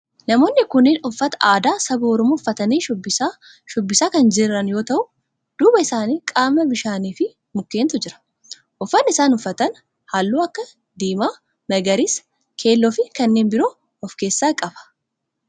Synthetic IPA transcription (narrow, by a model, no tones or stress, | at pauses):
nɐmo̞ːnːɪkʊnɪnʊfːɐt̪ɐʔaːd̪aːsɐbuɔɾɔmuːfːɐt̪ɐniːʃbɪ | ʃɔbːɪsaːkɐnd͡ʒɪrːɐnjo̞ːt̪ɐʔʊ | d̪̥uːbɐɪsaːniːkʼaːmːɐbɪʃaːniːfɪ | mʊkːe̞ːnt̪ʊd͡ʒɪɾɐ̥ | ʔʊfːɐnːɪsaːnʊfːɐt̪ɐn | haːlːuːɐkːɐ | d̪iːmaː | mɐɡɐɾis | kʰe̞ːlːɔfɪkɐnːeːnbɪɾoː | ɔfke̞ːsːaːkʼɐbɐ̥